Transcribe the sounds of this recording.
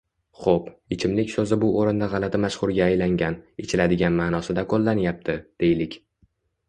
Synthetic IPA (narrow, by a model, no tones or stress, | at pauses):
χopɪt͡ʃʰɪmlɪkʲsɵzɪbʊoɾɪnd̪aʁɑlat̪ʰɪmaʃχʊɾɡʲaːjlaŋɡʲanɪt͡ʃʰɪlad̪ɪɡʲanmanɒsɪd̪akʰolˠːanjap̚t̪ʰɪd̪̥e̞jlɪkʲ